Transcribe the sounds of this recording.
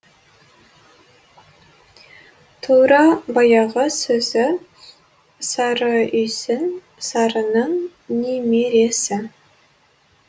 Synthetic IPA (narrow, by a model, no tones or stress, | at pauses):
t̪ʰuɾɑbɑjɑʁəsɵzɪ | sɑɾəʏjsɪn | sɑɾənəɴ | nemeɾe̞sɪ